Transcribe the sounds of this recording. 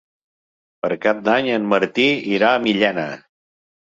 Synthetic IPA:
pəɾkap̚d̪aɲənməɾt̪iiɾaəmiʎɛnə̰

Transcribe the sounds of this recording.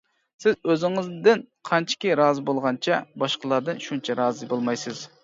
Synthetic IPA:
sɪzøzɪŋɪzd̪ɪnqʰɑnt͡ʃʰi̥kʲiɾɑːzɨbolˠʁɑnt͡ʃʰɛbɑʃqəlˠɑɾd̪ɨnʃunt͡ʃʰɛɾɑːzɨbolˠmɑjsɨz̥

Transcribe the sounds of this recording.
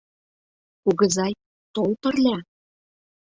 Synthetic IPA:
uɣɤ̆zɑj | t̪olpɤ̆rlʲæ

